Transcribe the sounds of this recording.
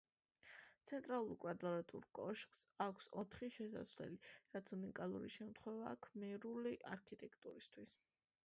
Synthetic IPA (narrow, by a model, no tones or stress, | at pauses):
t̪sʰɛnt̪ʼɾalˠuɾkʼwad̪ɾɾat̪ʼṵɾkʼɔʃkʼsakʷʰsɔt̪ʰχiʃɛsa̰svlɛ̰liɾat̪sunikʼalˠṵɾḭʃɛmt̪ʰχwɛvaːkʰmɛɾuliʔa̰ɾkʰit̪ʼɛkʰt̪ʼuɾist̪ʰwis